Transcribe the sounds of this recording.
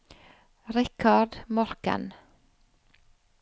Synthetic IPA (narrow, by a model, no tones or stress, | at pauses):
ɾɪkʰɑɖmɔɾkə̰n